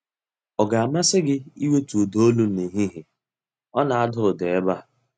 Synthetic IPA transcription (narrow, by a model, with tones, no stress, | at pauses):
ɔ˨ɡa˨a˨ma˦sɪ˦ɡɪ˦i˦we˦tu˨do˦o˦lu˦ni˨ɦi˦ɦɪ˨ | ɔ˦na˨a˦dʊ˦ɾʊ˨de˨e˦ba˦˨